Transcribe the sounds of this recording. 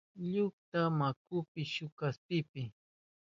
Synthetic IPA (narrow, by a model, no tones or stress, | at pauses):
ʎʊk̚t̪amakʊpɪʃʊkaspɪpɪ